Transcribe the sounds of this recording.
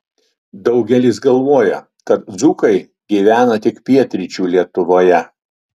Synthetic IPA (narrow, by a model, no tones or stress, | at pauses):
d̪ɒʊɡʲɛlʲiːˑsɡɐlˠʋoːjɛ | kɐt̪̚d̪zuːkɐɪ | ɡʲiːʋʲæːnɐt̪ʲɪkpʲiɛt̪ʲɾʲit͡ʃʲuːlʲiɛt̪ʊʋoːjɛ